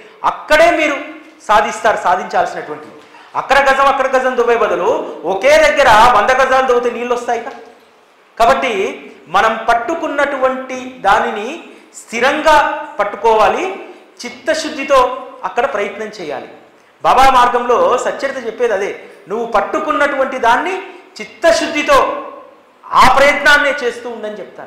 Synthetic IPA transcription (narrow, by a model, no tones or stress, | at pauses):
ɐ̰kːɐɽe̞ːmiːɾu | saːd̪ʱist̪aːɾusaːd̪ʱiɲt͡ʃaːlsinɐʈuʋɐɳʈid̪i | ɐ̰kːɐɽɐɡɐd͡ʒɐmɐkːɐɽɐɡɐzɐmd̪uʋɐjbɐd̪ɐluoke̞ːd̪ɐɡːɐɾɐʋɐnd̪ɐɡɐd͡ʒaːnd̪ɐwut̪eniːlːɔst̪aːjikaː | kaːbɐʈːimɐnɐmpɐʈːukunːɐʈuʋɐɳʈid̪aːninist̪ʰiɾɐŋɡaːpɐʈːukɔːʋaːli | t͡ʃit̪ːɐʃud̪ʱːit̪o̞ːɐkːɐɽɐpɾɐjɐt̪nɐmt͡ʃɛːja̰ːlḭ | baːbaːmaːɾɡɐmlo̞ːsɐt͡ʃːɐɾit̪ɐt͡ʃɛpːeːd̪ɐd̪e̞ːnuʋːupɐʈːukunːɐʈuʋɐɳʈid̪aːnːit͡ʃit̪ːɐʃud̪ʱːit̪o̞ː | aːpɾɐjɐt̪naːnːe̞ːt͡ʃe̞ːst̪uːnɖɐnit͡ʃɛpu̥t̪aːnu